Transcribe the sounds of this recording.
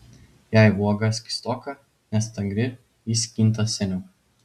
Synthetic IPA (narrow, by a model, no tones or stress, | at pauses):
jæɪʋuɔɡɐsʲkʲɪ̥st̪ɔːkɐ | nʲɛst̪ɐŋɡɾʲɪ | jisʲkʲinˑt̪ɐsʲɛnʲɛː